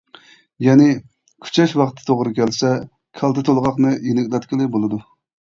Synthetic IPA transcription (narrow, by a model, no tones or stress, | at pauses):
jɛnɪ | kʲʰy̥t͡ʃʰɛʃwɑqt̪ʰːt̪ʰoʁɾɨkʲʰɛlsɛ | kʲʰɛlˠt̪ʰɨt̪ʰolˠʁɑqnɨjenɪkʲlɛt̪kʲɪlˠɪbolˠɨd̪u